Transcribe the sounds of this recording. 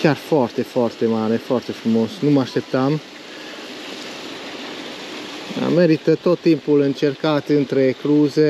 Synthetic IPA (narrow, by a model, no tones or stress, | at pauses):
kjaɾfɔɾt̪efɔrt̪emaːɾefɔɾt̪efɾumoːsnumaʃt̪ɛpt̪am | a̰mɛɾit̪ət̪ot̪ːimpulənt͡ʃɛɾkaːt̪ənt̪ɾekluːze